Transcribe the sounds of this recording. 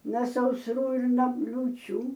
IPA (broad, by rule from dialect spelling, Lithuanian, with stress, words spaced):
nɐ sɐʊsˈruː ɪr noː lʲuːˈt͡ʃʲuː